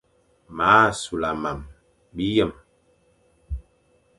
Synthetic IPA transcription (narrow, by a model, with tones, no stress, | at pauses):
maː˨˦˨su˨la˨ma˨m | bi˦jə˦˨m